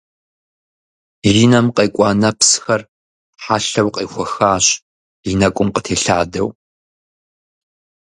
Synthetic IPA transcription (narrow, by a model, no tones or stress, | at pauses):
riːnɐmqʼeːkʷʼɑːnɐpsxɐr | ħaːɬɐwqʼeːxʷɔxaːɕ | inɐkʷʼʊmqətʰeːɬaːdɐ̰w